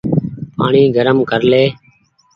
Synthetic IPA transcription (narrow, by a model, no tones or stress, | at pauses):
pa̰ːɳiːɡəɾəmkəɾleː